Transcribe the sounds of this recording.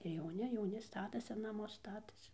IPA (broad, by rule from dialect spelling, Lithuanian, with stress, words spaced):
ɪr jɛʊˈnʲɪ jɛʊˈnʲɪ ˈstɑːtɐsʲɪ nɐˈmʊs ˈstɑːtɐsʲɪ